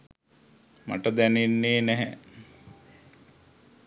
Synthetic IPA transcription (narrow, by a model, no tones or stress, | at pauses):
ma̰ʈəd̪ænenːeːnɛɦɛ